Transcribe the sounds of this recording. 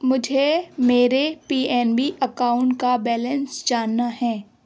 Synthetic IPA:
mʊd͡ʒʱemeːɾepiːɛːnbiʔɐkaːʊ̃ɳʈkabɛːlɛ̃nsd͡ʒaːnːaɦɛ̃ː

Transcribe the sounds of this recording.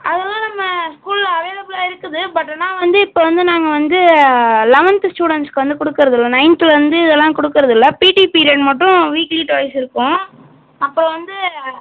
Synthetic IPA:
ʔɐðɛlːãːnɐmːɐskuːlɐʋeːðɐbɪlaːɪɾɯkːɯðɯbɐʈːnãːʋɐnd̪ɯɪpːoːʋɐnd̪ɯnaːŋɡɐʋɐnd̪ɯlɐʋɐnt̪ɯsʈuːɽɛɳʈskɯʋɐnd̪ɯkɔɽɯkːɯɾɐðɪlːɐnɐɪnt̪ɯlʋɐnd̪ɯɪðɛlːãːkɔɽɯkːɪɾɐðɪlːɐpiːʈipiːɾɪjɐɖmɐʈːʊ̃ʋiːkliːʈːʋɐɪsɪɾɯkːʊ̃ | ɐpːɯɾɔ̃ʋɐnd̪ɯ

